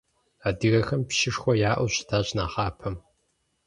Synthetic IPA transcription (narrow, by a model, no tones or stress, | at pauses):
aːdɨɣɐxɐmpʃɪʂxʷɔjaːʔʷʊɕtʰaːɕʼnaːχɑːpʰɐm